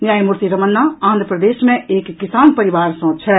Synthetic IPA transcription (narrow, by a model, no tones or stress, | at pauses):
njaːjmuɾt̪iɾɐmənːaãːnd̪ɾəpɾəd̪eːʃmẽeːkːisaːnpəɾiʋaːɾsɔ̃ːt͡ʃʰɛ